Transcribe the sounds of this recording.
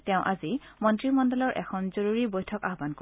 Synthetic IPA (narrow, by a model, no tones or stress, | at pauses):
tɛʊ̃ʔazimɔntɹimɔndɔlɔɹʔɛ̰kʰɔnzoɹuɹibojtʰɔkaɦbanko